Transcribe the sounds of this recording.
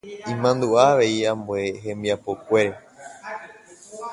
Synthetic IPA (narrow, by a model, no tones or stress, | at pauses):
ĩmãnd̪uaːʋe̞iãmboeɦẽ̞mbiapo̞kʷe̞ɾe